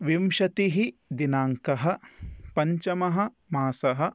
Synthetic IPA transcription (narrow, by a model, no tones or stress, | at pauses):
ʋimʃɐt̪iɦid̪inaːŋkɐɦɐ̆pɐɲt͡ʃɐmɐɦɐ̆ | maːsɐɦɐ̆